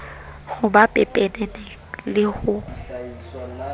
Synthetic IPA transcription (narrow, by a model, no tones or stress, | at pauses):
ɣʊbapʼɛpʼenenɛ | lɪɣʊ